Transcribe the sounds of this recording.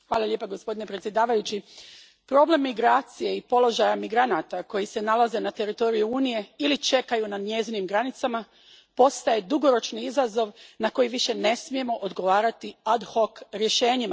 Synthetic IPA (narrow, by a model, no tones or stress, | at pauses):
xʋaːlˠalʎe̞paɡo̞spo̞d̪inepɾet̪sje̞d̪aːʋajut͡ɕi | pɾo̞ble̞mːiɡɾaːt̪sije̞ipo̞lˠo̞ʒajamiɡɾanat̪ako̞jise̞nalaze̞nat̪e̞ɾit̪o̞ɾijuuːnije̞ilit͡ʃe̞kajunad̪ɲe̞zinimɡɾanit̪sama | po̞st̪aje̞d̪uɡo̞ɾo̞t͡ʃniizazo̞ʋnako̞jiʋiʃe̞ne̞smije̞mo̞ʔod̪ɡo̞ʋaːɾat̪iad̪hokɾje̞ʃe̞ːɲima